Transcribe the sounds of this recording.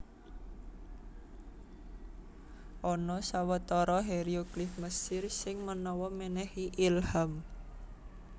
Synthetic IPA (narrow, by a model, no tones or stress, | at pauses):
ʔɔnɔsawət̪ɔɾɔɦeɾioɡlɪfməsɪrsɪŋmənɔwɔmenɛhiʔilham